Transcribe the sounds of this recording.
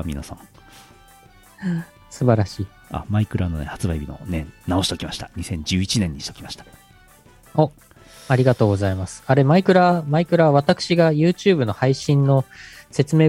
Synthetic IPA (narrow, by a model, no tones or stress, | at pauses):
mʲḭna̰sã̰ŋ | sɨbaɾaɕiː | a̰maikɯ̟ɾano̞nḛhat͡sɨbaibʲino̞̰nḛ̃nnao̞ɕit̪okʲimaɕi̥t̪aɲisẽ̞ɲ̟d͡ʑɨːit͡ɕinẽ̞ɲ̟ːiɕit̪okʲi̥maɕi̥t̪ḁ | o | aɾʲiɡat̪o̞ːɡo̞zaimasɨ̥aɾe̞maikɯ̟ɾamaikɯ̟ɾaβat̪akɯ̥ɕiɡajɯ̟ːt͡ɕɨːbɯ̟no̞haiɕĩnːo̞se̞t͡sɨme̞ː